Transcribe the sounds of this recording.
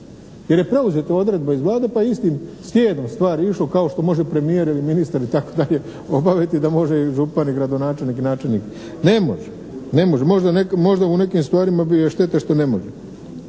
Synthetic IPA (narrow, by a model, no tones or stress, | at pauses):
je̞ɾje̞pɾe̞uzet̪ao̞d̪ɾe̞d̪̚baizʋlˠaːd̪e̞paist̪imsʋjeːd̪o̞mst̪ʋaːɾiiʃlo̞kao̞ʃt̪o̞mo̞ʒepɾe̞mijeɾiliminist̪aɾit̪akod̪aʎe̞ | o̞baʋet̪id̪amo̞ʒe̞iʒupaniɡɾad̪o̞naːt͡ʃe̞lniːkinaːt͡ʃe̞lnḭk | ne̞mo̞̰ʒe | ne̞mo̞ʒemo̞ʒd̪anekmo̞ʒd̪aune̞kimst̪ʋaːɾimabieʃt̪e̞t̪aʃt̪o̞ne̞mo̞ʒe